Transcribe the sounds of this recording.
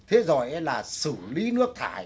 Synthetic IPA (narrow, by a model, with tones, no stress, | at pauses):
t̪ʰe˨˦zɔ˧˨˩jʔɛ˧laː˨˩sɨ˧˩li˨˦nɨ˦˥ək̚t̪ʰa̰ː˧˩j